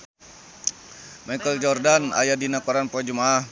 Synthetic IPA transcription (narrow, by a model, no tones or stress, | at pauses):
majkəld͡ʒɔrdana̰jadinakɔɾanpuad͡ʒumaːh